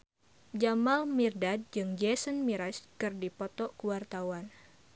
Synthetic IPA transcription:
d͡ʒamalmirdad̚d͡ʒɨŋd͡ʒɛsənmiɾaskɨrdipɔt̪ɔkuwart̪awan

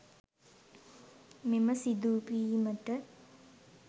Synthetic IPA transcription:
meməsid̪uːpiːməʈə

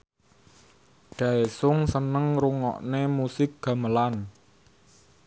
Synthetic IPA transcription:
ɖ̥ä̤esʊŋsənəŋɾuŋɔ̰ʔnemusɪk̚ɡ̥a̤məlan

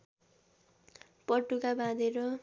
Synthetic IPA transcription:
pʌʈukabãd̪eɾo

